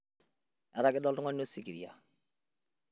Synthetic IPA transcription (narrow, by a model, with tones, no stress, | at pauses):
a˨ɾa˦kɪ˦dɔ˦ltʊ˦ŋɔ˦n˦o˦si˨ki˨ɾi˨a̰˨